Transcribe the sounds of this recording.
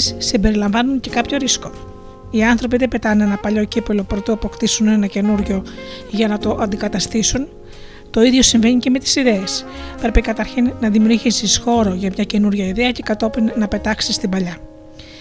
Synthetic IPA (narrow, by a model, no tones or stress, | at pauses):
ssimbe̞ɾilɐɱvɐnunce̞kɐpço̞ɾisko̞̥ | iɐnθɾo̞piðepe̞t̪ɐne̞nɐpɐʎo̞cipelo̞pɾot̪oɐpokt̪isunenɐce̞nuɾʝo̞ʝɐnɐt̪o̞ʔɐnd̪ikɐt̪ɐst̪isun | t̪o̞iðʝo̞siɱve̞ɲice̞me̞t̪i̥siðe̞espɾe̞pikɐt̪ɐɾçinːɐðimiuɾʝisisxo̞ɾo̞ʝɐmɲɐce̞nuɾʝɐiðeɐce̞kɐt̪o̞pinːɐpe̞t̪ɐksist̪imbɐʎɐ